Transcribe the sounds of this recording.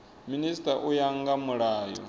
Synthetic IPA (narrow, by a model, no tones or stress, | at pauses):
ministʼaʔujaŋɡamuɺaːjɔ̰